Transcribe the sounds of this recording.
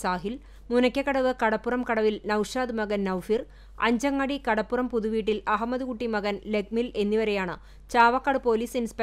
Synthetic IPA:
saːɦil | munɐkʲːɐkːɐɽɐʋɨkɐɽɐpːurɐmkɐɽɐʋilnɐwʂaːd̪ɨmɐɣɐnnɐwfir | ɐ̰ɲd͡ʑɐŋːɐɽikɐɽɐpːurɐmpuðuʋiːʈːilɐɦɐmːɐðukuʈːimɐɣɐnle̞ɡ̚mile̞nːiʋɐɾe̞jaːɳɨ̰ | t͡ɕaːʋɐkːɐɽɨpo̞ːliːsinspe

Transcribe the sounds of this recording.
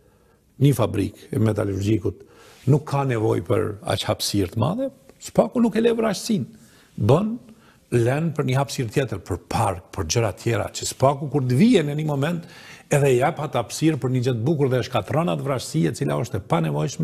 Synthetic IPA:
ɲəfabɾḭkɛmɛt̪aluɾd͡ʒikut̪ | nukʰːanɛvɔjpə̰ɾa̰t͡ʃhapsiɾt̪əma̰ðɛsə̥pakunukɛlɛvɾaʃsin | bən | lɛnpəɾɲəhapsiɾt̪jɛt̪əɾpəɾpʰaɾk̚pʰəɾd͡ʑəɾat̪ʰjɛɾa̰t͡ʃəsə̥pakukuɾd̪əviɛnənimɔmɛnt̪ɛðɛjapat̪hapsiɾpəɾɲəd͡ʑət̪̚buk̬uɾðɛəʃkat̪ɾɔnat̪əvɾaʃsiɛt͡sila̰ɔʃt̪ɛpanɛvɔjʃmɛ

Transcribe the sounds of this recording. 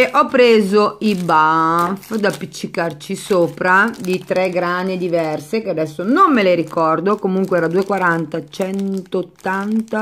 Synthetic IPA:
eʔɔpːɾeːzoibafd̪apːit͡ʃːikart͡ʃisoːpɾad̪it̪ɾɛɡɾaːned̪ivɛrsekead̪ɛsːonomːeleɾikɔrd̪okomuŋkweɛːɾad̪uːekwaɾant̪at͡ʃɛnt̪oːt̪ːant̪a

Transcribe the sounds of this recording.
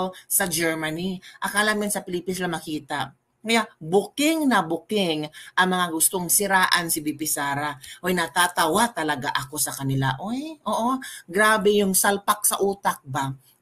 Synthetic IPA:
sɐd͡ʒɛɹmɐniʔɐkaːlamjɪnsɐpɪlipɪslɐmɐkiːt̪ɐʔ | kɐjabʊkɪŋnɐbʊkɪŋʔɐŋmɐŋaɡʊst̪o̞ŋsɪɾaːʔɐnsɪbipɪsaːɾaʔojnɐt̪aːt̪ɐwat̪ɐlɐɡaʔɐko̞sɐkɐnɪla̰ʔojʔoːʔo̞ɡɾaːbɛjʊŋsɐlpak̚sɐʔuːt̪ɐk̚ba

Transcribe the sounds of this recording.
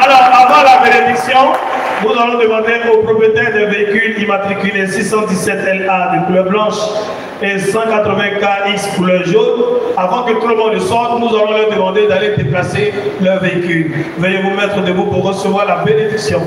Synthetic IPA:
alɔʁavɑ̃labened̪iksjɔ̃ | nuzalɔ̃d̪əmɑ̃d̪eopχopjət̪ɛʁd̪ɛ̃veikylimat̪χikylesisɑ̃d̪isɛt̪ɛlad̪əkulœʁblɑ̃ʃ | esɑ̃kat̪χəvɛ̃kaikskulœʁʒonavɑ̃kət̪uləmɔ̃ləsɔʁt̪nuzalɔ̃lœʁd̪əmɑ̃d̪ed̪aled̪eplaselœʁveikylvəjevumɛt̪χəd̪əvupuʁːəsəvwaʁlabened̪iksjɔ̃

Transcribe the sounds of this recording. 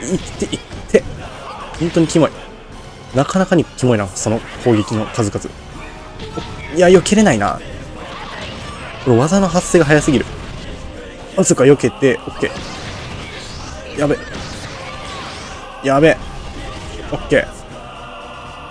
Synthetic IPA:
it̪ːeʔit̪ʰːe̞hõ̞nt̪o̞ɲ̟ikʲimoi | nakanakaɲ̟ikʲimoinasono̞kʰo̞ːɡʲe̞kʲino̞kazɨkazɨ̰ | oijajo̞keɾe̞naina̰ | konoβazanoɦaseːɡaɦajasɨɡʲiɾɯ̟ | mazɨkɯajo̞ke̞t̪e̞okʲːe̞̰ː | jabe | jabe | okʲːe̞̰ː

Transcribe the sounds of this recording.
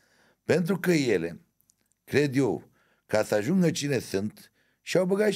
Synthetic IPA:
pent̪̬ɾukəjele | kɾed̪jow | kasaʒuŋɡət͡ʃinesɨnt̪ | ʃawbəɡa

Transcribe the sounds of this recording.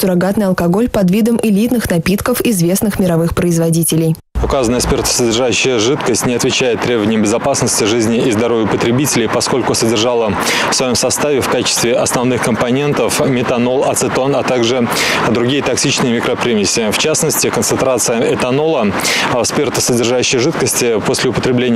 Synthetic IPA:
sʊɾɐɡat̪nɨjɐlˠkɐɡo̞lʲpɐd̪vʲid̪əmʔɪlʲit̪nɨxnɐpʲit̪kəfɪzvʲe̞snɨxmʲɪɾɐvɨxpɾəɪzvɐdʲitʲɪlʲɪj | ʊkazənəjəspʲert̪ə̥sədʲɪrʐaʉɕːɪjəʐɨt̪kəsʲtʲnʲɪɐt̪vʲɪt͡ɕæjɪt̪ːɾʲe̞bəvənɪjəmbʲɪzɐpasnəsʲtʲɪʐɨzʲnʲɪːzd̪ɐɾo̞vʲjəpət̪ɾʲɪbʲitʲɪlʲɪjpɐsko̞lʲkʊsədʲɪrʐalˠə | fsvɐjo̞msɐst̪avʲɪfkat͡ɕɪ̥st̪vʲɪʔɐsnɐvnɨxkəmpɐnʲe̞nt̪əfmʲɪt̪ɐno̞lˠɐ̰t̪sɨt̪o̞nɐt̪aɡʐɨ | d̪ɾʊɡʲijət̪ɐksʲit͡ɕnɨjəmʲɪkɾɐpɾʲimʲɪsʲːɪft͡ɕasnəsʲtʲɪkənsɨnt̪ɾat̪sɨjəʔɛt̪ɐno̞lˠəspʲe̞rt̪ə̥sədʲɪrʐaʉɕːɪjəʐɨt̪kəsʲtʲɪpo̞sʲlʲɪʊpət̪ɾʲɪblʲenʲ

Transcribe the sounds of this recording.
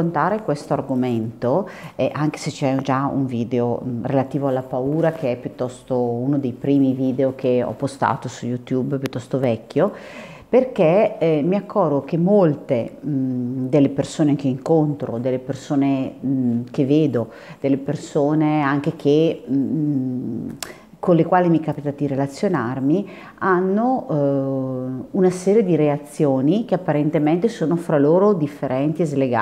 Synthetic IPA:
ont̪aːɾekwest̪oarɡoment̪oɛʔaŋk̟e̥set͡ʃɛud͡ʒaṵɱviːd̪eorelat̪iːvoalːapauːɾakʰeɛpːjut̪ːɔst̪ounod̪ejpɾiːmiviːd̪eok̟eɔ̰pːost̪a̰ːt̪osujut̪jubpjut̪ːɔst̪ovɛkːjo | perkemiakʰːɔrɡokemolt̪e | d̪elːepersoːnek̟eiŋkont̪ɾo̰d̪elːepersoːne | kevːeːd̪o | d̪̥elːepersoːneaŋk̟ekʰe | konlekwaːlimikapit̪ad̪iɾelat̪sːjonarmi | anːo | unasɛːɾjed̪iɾeat̪sːjoːnik̟eapːaɾent̪ement̪esoːnofɾaloːɾod̪ifːeɾʔɛnt̪iezleɡa̰

